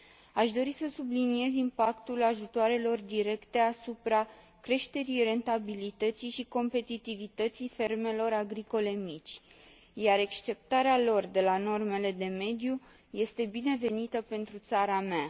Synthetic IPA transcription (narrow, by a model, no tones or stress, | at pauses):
aʃd̪o̞ɾisəsublinie̞zimpakt̪ulaʒut̪oaɾe̞lo̞rd̪iɾe̞kt̪e̞asupɾa | kɾe̞ʃt̪e̞ɾijre̞nt̪abilit̪ət̪sijʃiko̞mpe̞t̪it̪ivit̪ət̪sijfe̞rme̞lo̞ɾaɡɾiko̞le̞mit͡ʃʲ | jaɾe̞kst͡ʃe̞p̚t̪aɾealo̞rd̪e̞lano̞rme̞le̞d̪e̞me̞d̪ju | je̞st̪e̞bine̞ve̞nit̪əpe̞nt̪ɾut̪saɾamea